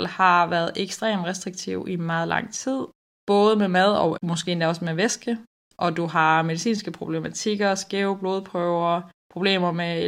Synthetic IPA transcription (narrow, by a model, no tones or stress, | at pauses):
l̰hɑ̈ʋæːɐð̞̩ˠʔeɡ̥sd̥ʁḛːmʁɛsd̥ʁiɡ̥̚t͡sʰiʊimɑ̈ːð̞̩ˠlɑ̈ŋ̰t͡sʰið̞̰ˠ | b̥ɔːð̞ˠəmemæð̞ˠɒmɒ̽sɡ̥e̝̰ːend̥æɒ̽smeʋesɡ̥ə | ʔɒ̽d̥uɦɑ̈me̝ð̞isḭːnsɡ̥əpʰʁo̝b̥lemæt͡sʰiɡ̥ɐsɡ̥eʊb̥lo̝ð̞ˠpʰʁœʊɐpʰʁo̝b̥le̝̰ːmɐme